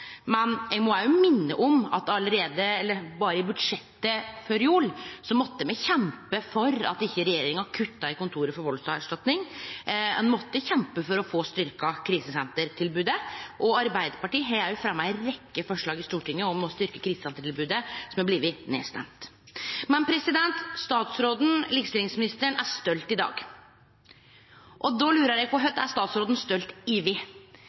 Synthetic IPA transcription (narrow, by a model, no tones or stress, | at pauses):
mɛnɛɡmɔæjʊmɪnːə̰ʔɔmɑt̪ɑləɾeːd̪əɛlːəɾbɑːɾəɪbʉd̪ʂɛt̪ːəføːɾjuːɭsɔmɔt̪ːəmɛçɛmpəfɔɾɑ̰t̪ɪçːəɾɛjeːɾɪŋəɑkʰʉt̪ːɑɪkʊnt̪ʰuːɾəfɔɾʋɔlsɑæʂʈɑt̪nɪŋ | ɛnmɔt̪ːəçɛmpəfɔɾɔfoːst̪ʏɾkɑkʰɾiːsəsɛnt̪əɾt̪ʰɪlbʉːd̪əʔɔɑɾbæɪd̪əɾpɑʈiːɦɛjæjʊfɾɑmːæɛɾɛkːəfɔʂɭɑːɡɪst̪uːʈɪŋːəɔmɔst̪ʏɾkəkʰɾiːsəsɛnt̪əɾʈɪlbʉːd̪əsɔmæbliːʋənḛːst̪ɛ̰mt̪ | mɛnpʰɾɛsɪd̪ɛnt̪st̪ɑːt̪sɾoːd̪n̩lɪːkst̪ɪlɪŋsmɪnɪst̪əɾəɳæɾst̪œlt̪ɪd̪ɑ̰ːɡ | ʔɔd̪ɔlʉːɾəɾjæɡ̚pʰɔɦœt̪ːæst̪ɑːt̪sɾoːd̪n̩st̪œlt̪ɪʋɪ